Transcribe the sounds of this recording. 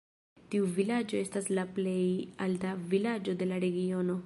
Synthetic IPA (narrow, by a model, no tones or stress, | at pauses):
t̪iuvilad͡ʒo̞e̞staslaplejaldavilad͡ʒo̞d̪e̞laɾe̞ɡio̞no̞